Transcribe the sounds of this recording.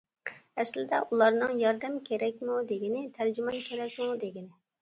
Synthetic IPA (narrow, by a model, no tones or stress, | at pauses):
ɛslɪd̪ɛ̰ʔulˠɑɾnɨŋjɑɾd̪ɛmkʲʰeɾɛk̚ʲmud̪eɡʲɪnɪt̪ʰæɾd͡ʒymɑnkʲʰeɾɛk̚ʲmud̪eɡʲinɪ